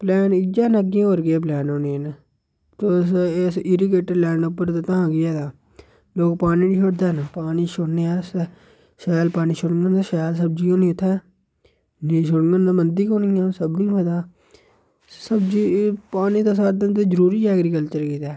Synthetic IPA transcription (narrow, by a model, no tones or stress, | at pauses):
plɛːnɪd͡ʒaːnəɡiãːoːɾɡɪɛːp̬lɛːnoːniːn | t̪oːsɪsɪɾiɡeːʈəɾlɛːɳopːəɾt̪ːt̪ãːɡɪjɛːd̪aː | loːkpaːniːniːʃʰoɽd̪ɛːnpaːniːʃʊɽneːaːs | ʃɛːlpaːniːʃʰʊɽŋɡənd̪aːʃɛːls̬əb̚d͡ʒiːoːniːʊt̪ʰːɛː | niːʃʊɽŋɡənd̪aːmənd̪ikoːniːãːsəbnĩːəːd̪aː | səbd͡ʒiːpaːniːt̪aːs̬aːɾd̪ɪnt̪eːzəɾuːɾiːɛːɡɾiːkəlt͡ʃəɾkiːt̪ɛː